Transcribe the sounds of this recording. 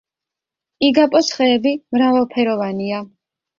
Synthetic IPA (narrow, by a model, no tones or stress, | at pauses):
iɡapʼɔsχɛːbimɾavalˠpʰɛɾɔvania